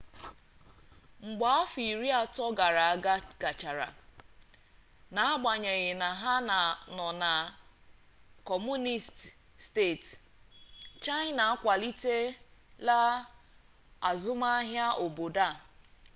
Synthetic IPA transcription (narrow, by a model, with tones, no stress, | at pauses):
ŋ͡m̩˨ɡ͡ba˨a˦fi˨ɾi˦a˨tɔ˦ɡa˨ɾa˨a˨ɡa˦ɡ̥a˨t͡ʃa˨ɾa̰˨ | na˨a˦ɡ͡ba˨ɲe˨ɣɪ˨na˨ɦa˦na˨nɔ˨na˨ | kɔ˨mu˦ni˦st | ste˦˨t | t͡ʃa˦jna˨a˦kʷa˨li˦te˦la˦ | a̰˨zʊ˦ma˦ɦja˦ʔo˨bo˨da˦˨